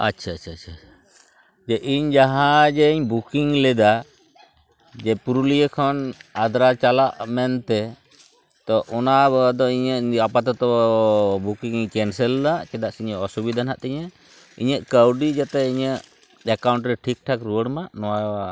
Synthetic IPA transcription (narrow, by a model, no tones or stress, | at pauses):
a̰tːʃʰaːtt͡ʃʰaːt͡ʃʰa | d͡ʒɛʔiɲd͡ʒaɦãd͡ʒɛiɲbukiŋlɛd̪a | d͡ʒɛpuɾulijəkʰɔnad̪ɾat͡ʃalaʔmɛnt̪ɛ | t̪ɔʔɔnad̪ɔiɲəapat̪ɔt̪ɔ | bukiŋiɲkɛnsɛlːaʔkɛd̪aʔsiɲəʔɔsubid̪ʱanɦaʔt̪ɛɲə | ḭɲəʔkəwɖid͡ʒat̪ɛiɲəʔ | ɛkawɳʈɾɛʈʰik̚ʈʰakɾuwəɽmaʔnɔwa